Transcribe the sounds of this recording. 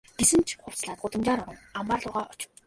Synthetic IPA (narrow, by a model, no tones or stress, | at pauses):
ɡ̥esɘ̆nt͡ɕʰχʊw̥t͡sɮaːt̪ɢʊt̪ə̆mt͡ɕaːɾʊʁə̆ŋamaːrɮʊːʁaːʔɔt͡ɕ̆w